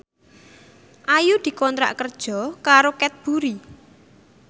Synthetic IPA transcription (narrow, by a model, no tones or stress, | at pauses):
ʔajud̪̥i̤kɔnt̪ɾa̰ʔkərd̥ʒ̥ɔ̤kaɾokɛt̪̚b̥uɾi